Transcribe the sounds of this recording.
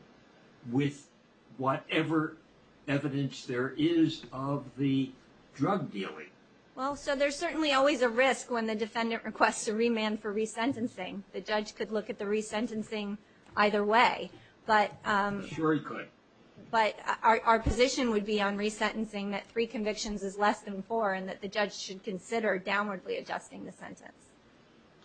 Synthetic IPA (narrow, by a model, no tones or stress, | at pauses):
wɪð | wʌɾɛvə˞ | ɛvɨɾɨ̃nsðə˞ʔɪzʌvðɨ | dɹʌɡ̚dḭlˠɪ̰̃ŋ | wɛlˠsoʊðə˞z̥sɜ˞ʔn̩liɔlˠwizɨɹɪskwə̃nðɨdɨfɛ̃ndɨ̃nʔɹɨkʰw̥ɛstsɨɹimæ̃nfə˞ɹisɛ̃ntɨ̃nsɪ̃ŋðɨd͡ʒʌ̥ʒ̥kʰɨdˡlʊkɨt̪̚ðɨɹisɛ̃ntɨ̃nsɪ̃ŋ | ʔaɪðə˞weɪ | b̥ʌɾʃʊɹikʰʊd̥̚ | b̥ʌɾʔə˞pʰɨzɪʃɨ̃nwɨd̚biə̃nɹisɛ̃ñn̩sɪ̃ŋðɨt̪̚θɹikʰɨ̃ɱvɪkʃɨ̃nzɨzlɛsðɨ̃nfɔɹɨ̃nðɨt̪̚ðɨd͡ʒʌd̥ʒ̥ʃɨd̚kʰɨ̃nsɪɾə˞dãʊ̃nwə˞dˡliɨd͡ʒʌ̰stɪ̃ŋðɨsɛ̰̃ntɨ̰̃ns